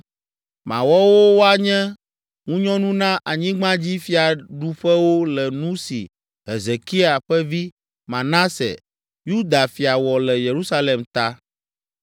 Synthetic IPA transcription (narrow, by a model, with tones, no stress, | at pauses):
mã̰˨wɔ˦wo˦wo˦a˦ɲɛ̃˦ | ŋũ˦ɲɔ̃˦nũ˦nã˦ʔa˨ɲĩ˦ɡ͡bã˦d͡ʑi˦fi˦a˨ɖu˨ɸɛ˦wo˦lɛ˨nũ˦sḭ˨ | ɦe˨ze˨ki˦a˨ɸɛ˦vi˦ | mã˨nã˦sɛ̰˨ | ju˦d̪a˨fi˨a˨wɔ˨lɛ˨je˨ɾu˦sa˦le˨mt̪a˦